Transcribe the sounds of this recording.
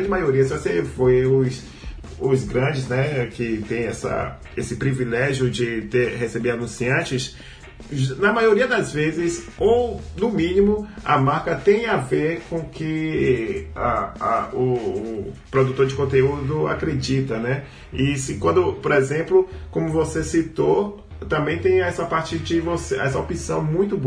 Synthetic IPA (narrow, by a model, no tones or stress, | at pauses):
ɾɐ̃d͡ʒɪmajoɾiɐsosefojʊs | ʊzɡɾɐ̃d͡ʒɪznɛkɪt̪ẽj̃ɛsɐ̰ | esɪpɾivilɛʒjʊd͡ʒɪt̪eɾhesebeɾanũsiɐ̃t͡ʃɪs | ʒnɐmajoɾiɐd̪ɐzvezɪzownʊmĩnĩmʊɐ̰maɾkɐt̪ẽj̃aveɾkõkɪ | aaʊ | pɾod̪ut̪oɾd͡ʒɪkõnt̪eud̪ʊa̰kɾed͡ʒit̪ɐnɛ | isikwɐ̃nd̪ʊpoɾezẽmplʊkõmʊvosesit̪o | t̪ɐ̃mbẽj̃t̪ẽj̃ɛsɐpaɾt͡ʃɪd͡ʒɪvoseɛsɐopĩsɐ̃w̃mũj̃t̪ʊb